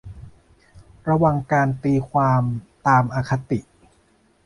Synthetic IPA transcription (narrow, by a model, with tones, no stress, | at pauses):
ɾa˧wa˨˩ŋkaː˧nt̪iː˧kʰwaː˧mt̪aː˧mʔaː˧kʰa˧t̪i˨˩ʔ